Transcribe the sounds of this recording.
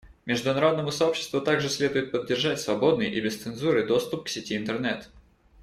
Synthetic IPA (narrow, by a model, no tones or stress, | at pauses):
mʲɪʐd̪ʊnɐɾo̞d̪nəmʊsɐo̞pɕːɪ̥st̪vʊt̪aɡʐɨsʲlʲe̞d̪ʊjɪt̪̚pədʲːɪrʐatʲsvɐbo̞d̪nɨj̰ʔibʲɪst̪sɨnzuɾɨd̪o̞st̪ʊp̚ksʲɪtʲiɪnt̪ərnɛt̪